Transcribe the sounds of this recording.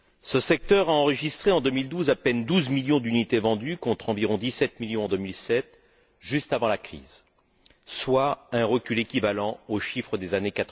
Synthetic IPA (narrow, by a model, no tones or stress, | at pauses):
səsɛk̚t̪œʁaɑ̃ʁəʒist̪χeɑ̃d̪əmild̪uzapɛnd̪uzmiljɔ̃d̪ynit̪evɑ̃d̪ykɔ̃t̪χɑ̃viʁɔ̃d̪isɛt̪miljɔ̃ɑ̃d̪əmilsɛt̪ | ʒyst̪avɑ̃lakχḭːz | swaɛ̃ʁəkʲylekʲivalɑ̃oʃifχəd̪ezanekat̪